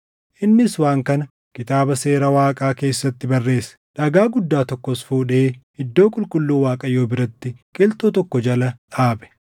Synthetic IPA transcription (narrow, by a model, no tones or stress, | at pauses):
ʔɪnːɪswaːŋkɐnɐ | kɪt̪aːbɐse̞ːɾɐwaːkʼaːke̞ːsːɐt̪ːɪbɐrːe̞ːsɐ̥ᶑɐɡaːɡʊd̪ːaːt̪ɔkːɔsfuːᶑeːhɪd̪ːo̞ːkʼʊlkʼʊlːuːwaːkʼɐjo̞ːbɪɾɐt̪ːɪkʼɪlt̪ot̪ɔkːɔd͡ʒɐlɐᶑaːbɛ̥